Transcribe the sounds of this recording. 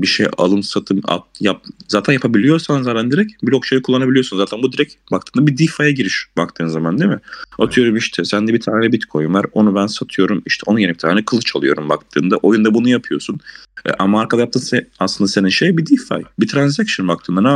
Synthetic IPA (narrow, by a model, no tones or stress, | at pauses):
biʃeja̰lˠɯmsat̪ʰɯma̰jap̚zaːt̪ʰænjapʰabilʲijo̞ɾsanzaːt̪ʰænd̪iɾɛcbilʲokʃʰajikʰulˠːanabilʲijo̞snzaːt̪ʰænbud̪iɾɛcbak̚t̪ʰɯːmd̪abid̪ifajaɟiɾiʃbakt̪ʰɯːnzamand̪imɪat̪ʰɯjo̞ɾumiʃt̪ʰɛsænd̪ɛbit̪ʰaːnlɛbit̪kʰo̞juvaɾonubænsat̪ʰɯjo̞ɾumiʃt̪ʰɛo̞nujenɛkit̪ʰaːnɛkʰɯlˠɯt͡ʃʰalˠɯjo̞ɾumbak̚t̪ʰɯ̰ːnd̪aʔo̞jund̪abunujapʰɯjoɾsunɛ̰ʔamaaɾkʰad̪ˠajap̚t̪ɯːnsɛaslˠɯnd̪aseninʃejbid̪ifa̰jbit̪ʰɾanzakʃɯnbakt̪ʰɯːnd̪ana